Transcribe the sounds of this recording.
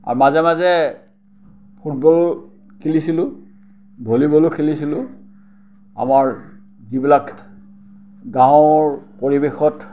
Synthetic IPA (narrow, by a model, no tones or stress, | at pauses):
a̰ɹmazɛmazɛ | pʰut̚bɔl | kʰilisilʊ | bʱolibɔlʊkʰilisilʊ | a̰maɹ | zibilak | ɡãɹpoɹibexɔt